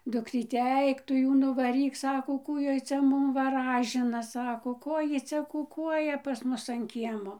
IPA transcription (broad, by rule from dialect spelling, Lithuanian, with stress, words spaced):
ˈdʊkrʲiːtʲɛ ˈɐɪk tʊ ˈjuː nʊʋɐˈrʲiːk ˈsɑːkoː ˈkuː ˈjoːj ˈt͡sʲɛ ˈmʊm ʋɐˈrɑːʒʲɪnɐ ˈsɑːkoː ˈkoː ˈjiː ˈt͡sʲɛ kʊˈkuɔjɛ pɐs ˈmʊs ɐn ˈkʲiɛmoː